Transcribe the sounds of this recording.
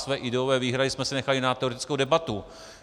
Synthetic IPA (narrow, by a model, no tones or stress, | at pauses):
svɛːʔɪdɛovɛːviːɦɾadɪsmɛsɛnɛxalɪnat̪ɛo̞ɾɛt̪ɪ̥t͡skowdɛbat̪u